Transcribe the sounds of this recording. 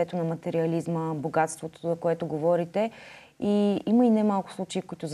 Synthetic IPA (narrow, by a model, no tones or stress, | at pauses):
ɛt̪onɐmɐt̪ɛɾiɐlizməboɡat̪st̪vot̪ozɐkoɛt̪ʊɡovɔɾit̪ɛ | iiməinɛmalˠkʊ̥slˠut͡ʃeikoit̪ʊz